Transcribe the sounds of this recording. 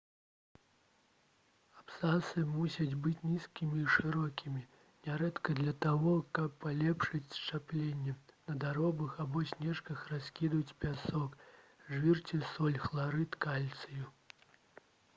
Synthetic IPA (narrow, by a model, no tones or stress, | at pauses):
apsasɨmusʲɐd͡zʲbɨt͡sʲnʲiskʲimʲiːʂɨɾɔkʲimʲi | nʲaɾɛt̪kɐd̪lʲɐt̪aɣɔkɐpːalʲɛpʂɨt͡sʲst͡ʂaplʲenʲːɛnɐd̪aɾɔbɐxabɔsʲnʲɛʂkɐxrasʲkʲid̪ut͡sʲpʲasɔk | ʐvʲirt͡sʲisɔlʲxlˠaɾɨt̪kalʲt̪sɨju